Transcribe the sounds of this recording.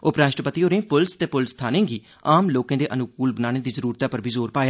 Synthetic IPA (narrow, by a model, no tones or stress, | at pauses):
oːpɾaːʃʈəpət̪iːɦoːɾẽːpʊlst̪eːpʊlst̪ʰaːnẽːɡiː | aːmloːkẽːd̪eːʔənʊkuːlbənaːɽ̃eːd̪iːzəɾuːɾt̪aːpəɾbʱiːzoːɾpaːjaː